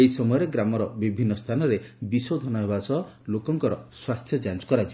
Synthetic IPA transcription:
eisɔmɔjɔɾeɡɾamɔɾɔbibʱinːɔst̪ʰanɔɾebisod̪ʱɔnɔɦebasɔ | lokɔŋkɔɾɔswast̪ʰjɔd͡ʒant͡ʃkɔɾad͡ʒibɔ

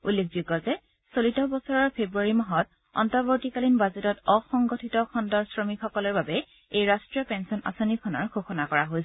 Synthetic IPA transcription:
ulːekʰzuɡɔzɛ | solitɔbɔsɔɹɔɹpʰebɹuaɹimɔɦɔt | ɔ̰ntɔɹboɹtikalinbazetɔtɔxɔŋɡotʰitɔkʰɔndɔɹsɹɔmixɔkɔlɔɹbabɛ | ejɹastɹijɔpɛnsɔna̰sonikʰɔnɔ̰ɹɡoxɔnakɔɹaɦojs

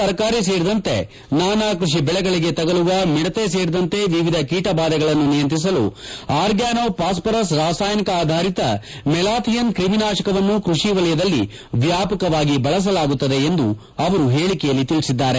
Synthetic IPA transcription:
ɐɾkaːɾis̬eːɾid̪ɐnt̪e̞ | naːnaːkɾuʂ̬ibɛɭɛɡɐɭiɡe̞t̪ɐɡɐluʋɐmiɽɐt̪es̬e̞ːɾid̪ɐnt̪e̞ʋiʋid̪ʱɐkiːʈɐbaːd̪ɐɡɐɭɐnːunijɐnt̪ɾis̬ɐlṵaːɾɡjaːnoːpaːs̬pɐɾɐs̬ɾaːsaːjnikɐaːd̪ʱaːɾit̪ɐ | mɛlaːt̪ʰijɐnkɾiminaːʃɐkɐʋɐnːukɾuʂiʋɐlɐjɐd̪ɐlːi | ʋjaːpɐkɐʋaːɡibɐɭɐs̬ɐlaːɡut̪ːɐd̪e̞ːnd̪u | ɐʋɐɾuɦe̞ːɭikɛjɐlːit̪ilsid̪ːaːɾe

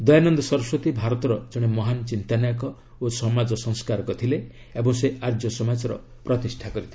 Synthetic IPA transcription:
d̪ɔjanɔnd̪ɔsɔɾɔsot̪ibʱaɾɔt̪ɔɾɔd͡ʒɔɽ̃emɔɦanɔt͡ʃint̪anajɔkɔ | osɔmad͡ʒɔsɔ̃ŋskaɾɔkɔt̪ʰile | ebɔŋseʔaɾd͡ʒjɔsɔmad͡ʒɔɾɔ̰ | pɾɔt̪isʈʰakɔɾit̪ʰle

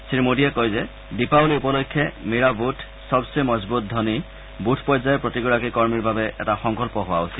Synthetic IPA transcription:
siɹmodijɛkojzɛ | dipawliupɔlokʰːjɛmiɹabutʰ | sɔbsemɔzbut̚d̪ʱɔni | butʰpɔjzajɛpɹotiɡɔɹakikɔɹmiɹbʱabɛʔɛ̰taxɔŋkɔlpɔɦʊwaosil

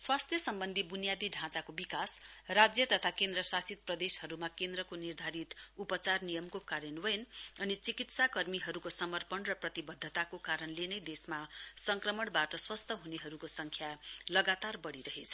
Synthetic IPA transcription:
swast̪ʰjʌsʌmbʌnd̪ʱibunijad̪iɖʱãt͡sakobikasrad͡zjʌt̪ʌt̪ʰakend̪rʌsasit̪̚prʌd̪eshʌɾumakend̪rʌkonird̪ʱaɾit̪upʌt͡sarnijʌmkokaɾjenwʌjnʌnit͡sikit̪sakʌrmiɦʌɾukosʌmʌrpʌnrʌprʌt̪ibʌd̪ʱːʌt̪akokaɾʌnlenʌjd̪esmasʌŋkrʌmʌɳbaʈʌswʌst̪ʰʌɦuneɦʌɾukosʌŋkʰjalʌɡat̪arbʌɽiɾʌɦet͡sʰʌ̥

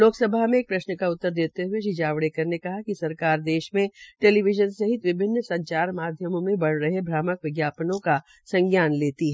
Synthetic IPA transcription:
loːksɐbʱaɦmẽːk̚pɾɐʃnəkaʊt̪ːəɾd̪eːt̪eɦʊeʃ̬ɪd͡ʒaːʋɽekɐɾnekɐɦakisɐɾkaːɾd̪eːʃmẽʈeːliʋɪʒənsɐɦɪt̪ʋɪbʱɪnːsɐ̃ɲt͡ʃaːɾmaːd̪ʱjəmõmẽbɐɽ̤ɾɐɦebʱɾaːməkʋɪɡjaːpənõka | sɐ̃ŋɡjaːnleːt̪iɦɛ

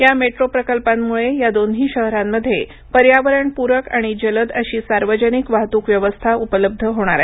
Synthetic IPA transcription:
jameʈɾopɾəkəlpamːuɭejad̪onɦiːɕəɦɾamːəd̪ʱje | pəɾjaʋəɾəɳpuɾəkaɽ̃id͡ʑələd̪əɕiːsaɾʋəd͡ʑənikʋaɦt̪uːkʋjəʋəst̪ʰaupələb̚d̪ʱəɦoɽ̃aɾa̰

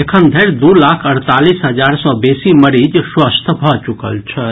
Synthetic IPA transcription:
ekʰənd̪ʱəɾd̪ulakʰəɾt̪alisɦəd͡ʒaɾsɔ̃besiməɾid͡ʒswəst̪ʰbʱɔt͡ʃukə̰lt͡ʃʰə

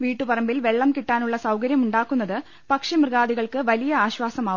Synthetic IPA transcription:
ʋiːʈːupɐrɐmbilʋe̞ɭːɐmkiʈːaːnuɭːɐsɐwkɐɾjɐmuɳɖaːkːunːɐðɨ | pɐkʂimrɨɣaːd̪iɣɐɭkɨʋɐlijɐaːɕʋaːsɐmaːu

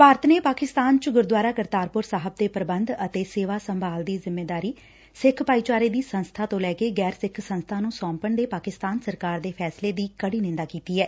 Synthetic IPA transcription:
paːɾət̪neːpaːkɪst̪aːnt͡ʃɡʊɾd̪ʋaːɾaːkəɾt̪aːɾpʊɾsaːɦəb̚d̪eːpəɾəbənd̪ət̪eːseːʋaːsəmbʱaːld̪iːzɪmːeːd̪aːɾiː | sɪkʰpaːiːt͡ʃaːɾeːd̪iːsənst̪ʰaːt̪õːlɛːkeːɡɛːɾsɪkʰsə̃nst̪ʰaːnũːsɔːmpəɳd̪eːpaːkɪst̪aːnsəɾkaːɾd̪eːpʰɛːsleːd̪iːkəɽiːnɪ̃nd̪aːkiːt̪iːɦɛː

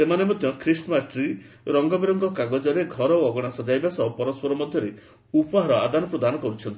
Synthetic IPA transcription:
semanemɔd̪ʱjɔkʰɾisɔmasʈɾi | ɾɔŋɡɔbiɾɔŋɡɔkaɡɔd͡ʒɔɾeɡʱɔɾɔoɔɡɔɽ̃asɔd͡ʒajbasɔɦɔpɔɾɔspɔɾɔmɔd̪ʱjɔɾe | upɔɦaɾɔa̰d̪anɔpɾɔd̪anɔkɔɾut͡ʃʰɔnt̪i

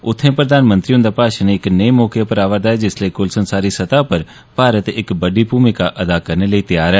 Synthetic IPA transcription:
ʊt̪ʰːẽpɾəd̪aːnmə̃nt̪ɾiʊ̃nd̪apaːʃaneɪknəimɔːkepəɾaːʋəd̪aːɛd͡ʒɪsləikʊlsənsaːɾisɐt̪apɐɾ | paːɾət̪ɪkbɐɖibʱuːmɪkaʔɐd̪akɐɾneləit̪ɪjaːɾɛː

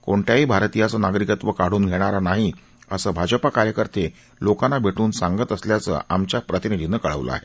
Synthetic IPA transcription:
koɳʈ̪jaɦiːbʱaɾt̪ijat͡sənaɡɾikət̪ʋəkaɽ̤uːnɡʱeɽ̃aɾanaɦi | əsəbʱad͡ʑəpakaɾjəkəɾt̪ʰe | lokanabʱeʈuːnsaŋɡət̪əsljat͡sə̰amt͡ɕjapɾət̪inid̪ʱinəkəɭ̤ə̰ʋlə̰a̰ɦe

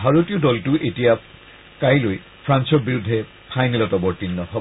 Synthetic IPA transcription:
bʱaɹotijɔdɔltʊʔetija | kajloj | pʰɹansɔɹbiɹudʱːɛ | pʰajnɛlɔtɔbɔɹtinːɔhɔbɔ

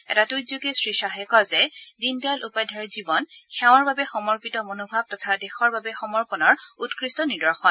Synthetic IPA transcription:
ɛ̰tatujzokesɹiʃaɦɛkɔzɛdindalʔupajdʱaɹɛzibɔnxɛʊ̃ɔɹbabɛxɔmɔɹpitɔmonobʱab̚tɔtʰadɛxɔɹbabɛxɔmɔɹpɔnɔɹutkɹistɔnidɔɹxɔn

